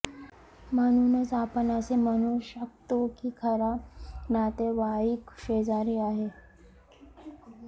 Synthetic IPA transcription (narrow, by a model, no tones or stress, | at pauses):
mənunət͡sapənasemənuʃək̚t̪okikʰəɾanat̪eʋaikʃed͡zaɾiaːɦe